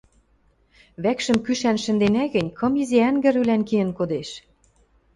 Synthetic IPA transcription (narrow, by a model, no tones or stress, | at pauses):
βækʃə̆mkyʃænʃɘ̆nd̪enæɣɘ̆nʲkʰɤ̆miziæŋɡɘ̆ɾylænkiə̆nkod̪eʃ